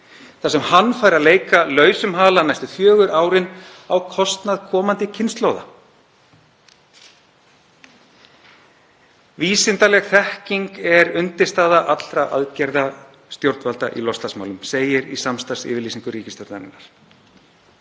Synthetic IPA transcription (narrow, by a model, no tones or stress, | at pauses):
θasɛmhanːfaːjɾaðleːjkalœːɥsʏmɦaːlanajst̪ʏfjœːɣʏɾʔaːwɾɪn | awkʰɔst̪naðkʰɔːmant̪ɪcʰɪnst̪loːwða̰ | viːsɪnt̪alɛɣθɛhciŋkɛɾʏnt̪ɪst̪aːðaʔat̪l̥ɾaʔa̰ðcɛɾða | st̪jowɾt̪valt̪aʔḭlɔst̪asma̰ːwlʏmseːjɪɾisamst̪ḁsɪ̰ːvɪɾliːsiŋkʏɾiːcɪst̪jowɾnanɪ̰nːaɾ̥